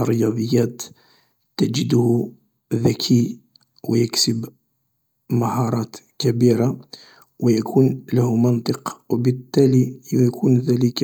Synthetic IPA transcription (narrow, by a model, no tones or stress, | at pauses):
ɾəjɑd̪ˤəjːæt̪ | t̪ːæd͡ʒəd̪h | ðækʰi | wjəksəb | mahɑɾˤɑt̪kæbiɾa | wjækʰunlæhumɑnt̪ˤəqwbət̪ːælikʰunðælək